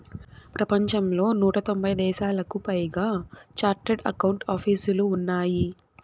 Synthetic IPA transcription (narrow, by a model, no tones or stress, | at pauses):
pɾɐpɐɲt͡ʃɐmlo̞ːnuːʈɐt̪o̞mbʱɐjd̪ɛːʃaːlɐkupɐjɡaːt͡ʃaːɾʈeɖɐ̰kɐwuɳʈaːpʰiːsuluːnːaːji